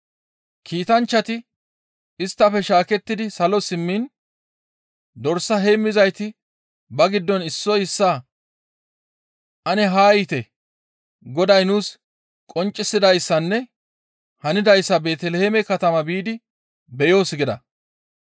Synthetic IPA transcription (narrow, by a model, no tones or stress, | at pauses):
kʰiːt̪ɐnt͡ʃːɐt̪ɪ | ɪst̪ːɐfɛʃaːkɛt̪ːɪd̪ɪsɐlɔsɪmːin | d̪ɔɾsːɐɦe̞ːmːɪzɐjt̪ɪ | bɐɡɪd̪ːɔnɪsːɔjɪsːa | ʔɐnɛɦaːjɪt̪ɛ | ɡɔd̪ɐjnuːs | kʼɔnt͡ʃʼːɪsːɪd̪ɐjsːɐnːɛ | hɐnɪd̪ɐjsːɐbe̞ːt̪ɛlɛheːmɛkɐt̪ɐmɐbiːd̪ɪ | bɛjo̞ːsɡɪd̪ɐ̰